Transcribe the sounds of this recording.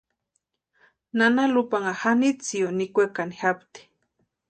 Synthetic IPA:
nanalupaŋahanit͡sionikʷekanixapt̪i̥

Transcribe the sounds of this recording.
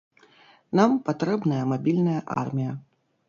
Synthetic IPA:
nampat̪ɾɛbnɐjɐmabʲilʲnɐjɐʔa̰rmʲijɐ

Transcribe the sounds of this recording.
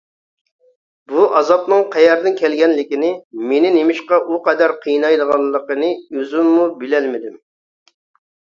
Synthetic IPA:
buʔɑzɑpnɨŋqʰæjɛɾd̪ɪnkʲʰɛlɡʲɛnlɪkʲinɪmenɪnemɪʃqɑʔuqɑd̪æɾqʰəjnɑjlˠəʁɑlˠːəqənɨøzymːubɪlɛlmɪd̪ɪm

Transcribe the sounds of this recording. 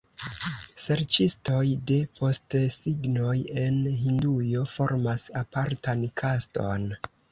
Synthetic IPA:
se̞ɾt͡ʃisto̞jde̞po̞stsiɡno̞je̞nɦindujo̞fo̞ɾmasapaɾtankʰasto̞̰n

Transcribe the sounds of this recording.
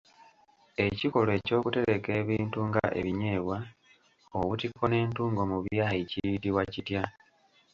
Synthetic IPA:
e̞ciko̞loe̞ːco̞ːkute̞ɾe̞ke̞ːβiːntuŋɡa̰ʔe̞̰βiɲe̞ːβwa | oβutikːo̞ne̞ːntuːŋɡo̞muβjaːiciɾitiβwacitja

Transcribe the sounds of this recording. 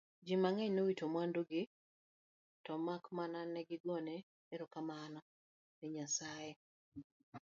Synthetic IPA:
d͡ʒimaŋɛɲnowitomwanduɡɪ | tɔmakmananɛɡɪɡɔneː | ɾokamanɔ | nɛɲasaje

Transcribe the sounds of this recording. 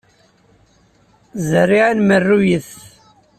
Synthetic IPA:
zərːiʕanmərːujəθ

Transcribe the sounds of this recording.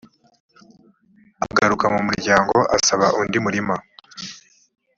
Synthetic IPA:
aɡaɾukamumuɾɟaːŋɡo̞ʔasaβaʔundimuɾima

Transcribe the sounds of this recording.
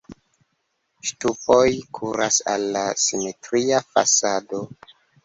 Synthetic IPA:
ʃtupo̞jkʰuɾasa̰lːasimetɾiafa̰sado̞

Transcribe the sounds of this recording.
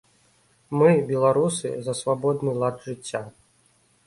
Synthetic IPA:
mɨbʲɛlˠaɾusɨ̰zɐsvabɔd̪nɨlˠad̪ʐɨt͡sʲːa

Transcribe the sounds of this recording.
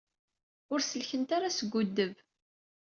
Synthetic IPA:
ʊɾsəlçənt̪aɾasəɡʷːud̪ːəv

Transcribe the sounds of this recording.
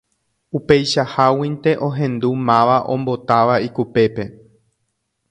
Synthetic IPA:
upe̞jʃahawĩnt̪e̞ʔõ̞ɦẽ̞nd̪umãʋaʔõ̞̰mbo̞t̪aʋaikupe̞pe̞

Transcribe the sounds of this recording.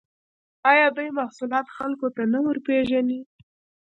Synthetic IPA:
ɑjɑb̪ajmahsulɑt̪xalkot̪anawəɾpeʒani

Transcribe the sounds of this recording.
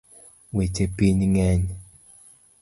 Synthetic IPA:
wet͡ʃepiɲŋɛɲ

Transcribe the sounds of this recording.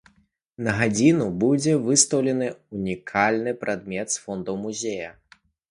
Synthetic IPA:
nɐɣad͡zʲinubud͡zʲɛvɨst̪ɐwlʲɛnɨunʲikʰalʲnɨpɾʔad̪̚mʲɛt̪sfɔnd̪ɐwmuzʲejɐ

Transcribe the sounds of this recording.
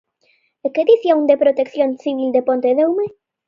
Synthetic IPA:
eked̪iθjaund̪epɾot̪ekθjonθiβild̪epont̪eðewme

